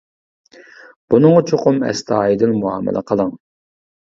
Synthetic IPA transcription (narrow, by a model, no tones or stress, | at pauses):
b̥unɨŋɑt͡ʃʰoqʊmɛ̰st̪ʰɑːjid̪ɪnmuɑ̰ːmɪ̰lˠʔɛ̰qʰəlˠəŋ